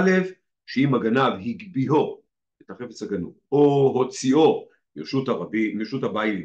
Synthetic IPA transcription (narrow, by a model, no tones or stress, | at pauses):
le̞f | ʃeimaɡanavhiɡbiɦo̞ | etaχe̞fet͡shaɡanṵ | oɦo̞t͡sio̞ | jeʃutaabijeʃuthabail